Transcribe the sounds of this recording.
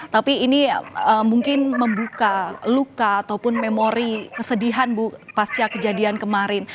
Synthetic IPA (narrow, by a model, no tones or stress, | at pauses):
t̪apiːniəmuŋkɪnməmbukalukaːt̪awpʊnmemoɾikəsədiɦanbupast͡ʃakəd͡ʒadiankəmaɾɪn